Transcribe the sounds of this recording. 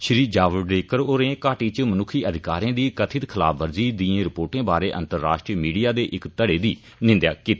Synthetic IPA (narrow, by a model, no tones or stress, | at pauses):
ʃɾiːd͡ʒaːʋəɖeːkəɾoːɾẽːkaːʈiːt͡ʃmənʊkʰiːʔəd̪ɪkaːɾẽːd̪iːkət̪ʰɪt̪kʰɪla̰ːbʰʋəɾd͡ʒiːd̪iːẽːɾɪpoːʈẽːbaːɾeːʔə̰̃nt̪əɾːa̰ːʃʈɾiːmiːɖijaːd̪eːʔɪkt̪əɽeːd̪iː | nɪ̃nd̪jaːkiːt̪ː